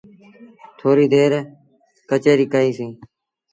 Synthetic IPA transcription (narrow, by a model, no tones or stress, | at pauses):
t̪ʰoːɾiːd̪eːɾ | kət͡ʃeːɾiːkəɦĩːsĩː